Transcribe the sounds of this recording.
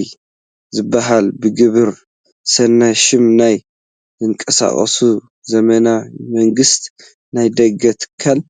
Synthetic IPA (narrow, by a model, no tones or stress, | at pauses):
j | zɨbːaɦalbɨɡɨβɨɾ | sɐnːaʃɪmnaj | zɨŋkʼɐsa̰χʼɐ̰su | zɐmɐnamɐŋɡɨst̪ | najd̪ɐɡɐt̪ʰɨ̥kʰːal